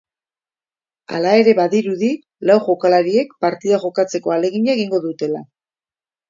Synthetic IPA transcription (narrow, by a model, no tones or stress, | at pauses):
a̰lae̞ɾe̞βaðiɾuði | lawʝo̞kalaɾie̞kpaɾt̪iðaʝo̞kat͡se̞ko̞ale̞ɣ̞iɲaeɣiŋɡo̞ðut̪e̞la